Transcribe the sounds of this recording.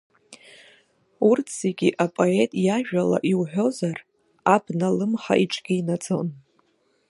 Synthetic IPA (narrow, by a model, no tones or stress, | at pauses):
urtʰseɡʲiʔapʼo̞e̞tʼjaʒᶣala̰ʔiwħᶣo̞zar | abnalɨmχa̰ʔiʈ͡ʂʼɡ̥ʲiinad͡zʼon